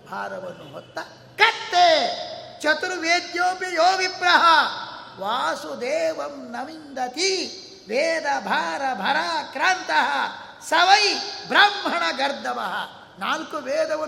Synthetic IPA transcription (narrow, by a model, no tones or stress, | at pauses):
bʱa̰ːɾɐʋɐnːuɦɔ̰t̪ːɐ | kɐt̪ːeːt͡ʃɐt̪uɾuʋeːd̪joːbjɐjoːʋipɾɐɦɐʋaːsud̪eːʋɐmnɐmind̪ɐt̪i | ʋeːd̪ɐbʱaːɾɐbʱɐɾaːkɾaːnt̪ɐɦɐ | sɐʋɐjbɾɐmɦɐɳɐɡɐɾd̪ʱɐʋɐ̰ɦɐ̰ | naːlkuʋeːd̪ɐʋɐ